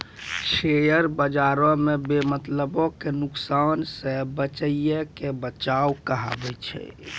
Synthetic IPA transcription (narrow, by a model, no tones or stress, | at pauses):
ʃejəɾbəd͡ʒaɾɔ̃mebemət̪ləbɔkenuksansẽbət͡ʃəijəkebət͡ʃawkəɦa̰bɛt͡ʃʰɛ̰